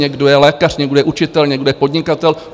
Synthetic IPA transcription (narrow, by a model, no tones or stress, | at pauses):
ɛɡdojɛlɛːkar̥ɲɛɡdojɛʔut͡ʃɪt̪ɛlɲɛɡdojɛpo̞dɲɪkat̪ɛl